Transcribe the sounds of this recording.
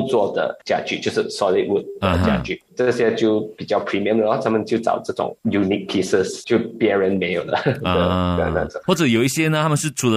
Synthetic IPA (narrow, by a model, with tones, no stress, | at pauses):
t͡swɔ˥˩d̪ə̰˩t͡ɕja̰˥˧t͡ɕy˥˧t͡ɕjo˥˧ʊʂɻ̩˥˩sɔ˧li˥t̚wu˥˩t̚d̪ə˨˩t͡ɕja̰˥˧˩t͡ɕy̰˥˩ʈ͡ʂə˥˩ɕjɛ˥t͡ɕjo˥˩ʊpi˨˩t͡ɕjɑ˥˩ʊpʰɹi˨˩mi˥˩˨md̪ə˧˩xa˥˩t̪ʰa˥mə˨nt͡ɕjo˥˩ʈ͡ʂɑ̰˨˩ʊʈ͡ʂɤ˥˩ʈ͡ʂʊ̰˨˩˦ŋju˧ni˥k̚pʰi˥sə˥˩st͡ɕjo˥˧ʊpjɛ˧˥nɻə˧˥nme˧˥jo˨˩ʊdə̰˦t̪ə̰˥˧˩na̰˥˧˩ʈ͡ʂə˨˩wɔ˥˩ʈ͡ʂɤ˨˩jo˨˩ʊi˥ɕjɛ˥nə˧t̪ʰa˥mə˨nʂ̬ɻ̩˥˩ʈ͡ʂʰu˨˩lə˦